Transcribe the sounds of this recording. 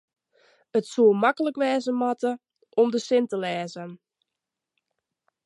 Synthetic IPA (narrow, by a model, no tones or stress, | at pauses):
ətsuəmakələkʋɛːzəmɑtə | ʔɔmdəsɪntəlɛːzən